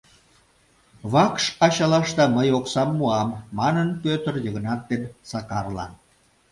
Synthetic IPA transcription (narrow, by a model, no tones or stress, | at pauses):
βɑkʃɑɕɑlɑʃt̪ɑməjoksɑmːuɑmːɑnənpøt̪ərjəɣənɑt̪ːensɑkɑrlɑ̰n